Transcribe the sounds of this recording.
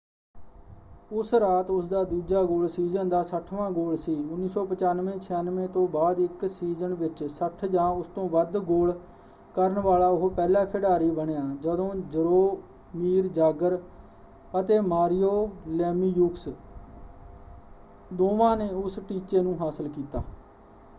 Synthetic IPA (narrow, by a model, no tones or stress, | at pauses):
ʊsɾaːt̪ʊsd̪aːd̪uːd͡ʒaːɡoːlsiːzənd̪aːsəʈʰʋãːɡoːlsiːʊnːiːsɔːpət͡ʃaːnʋẽːt͡ʃʰɪjanʋẽːt̪õːbaːd̪ɪksiːzənʋɪt͡ʃsəʈʰd͡ʒãːʊst̪õːʋəd̪ɡoːl | kəɾənʋaːlaːʊɦpɛːlãːkʰɪɽaːɾiːbəɳejaːd͡ʒəd̪õːd͡ʒəɾoː | miːɾd͡ʒaːɡəɾ | ət̪eːmaːɾijoːlɛːmiːjuːks | d̪oːʋãːneːʊsʈiːt͡ʃeːnũːɦaːsəlkiːt̪a̰ː